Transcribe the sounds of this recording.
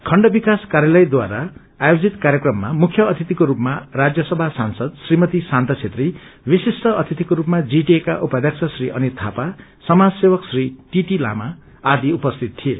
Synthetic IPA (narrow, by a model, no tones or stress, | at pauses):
kʰʌɳɖʌbikaskaɾjalʌjd̪waɾa | ajod͡zit̪kaɾjekrʌmːamukʰjʌʌt̪ʰit̪ikoɾupmarad͡zjʌsʌbʱasansʌd̪srimʌt̪isant̪ʌt͡sʰet̪ribisisʈʌʌt̪ʰit̪ikoɾupmad͡ziʈiekaʔupʌd̪ʱjaksʰasriʔʌnit̪ʰapasʌmad͡zsewʌksriʈiʈila̰maː | d̪iupʌst̪ʰit̪̚t̪ʰiḛ